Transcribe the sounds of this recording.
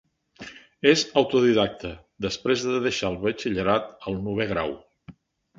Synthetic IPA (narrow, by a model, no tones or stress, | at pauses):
ezəwt̪uðiðak̚t̪ə | d̪əspɾezðəðəʃalˠβət͡ʃiʎəɾat̪əlˠnuβ̞eɣ̞ɾaw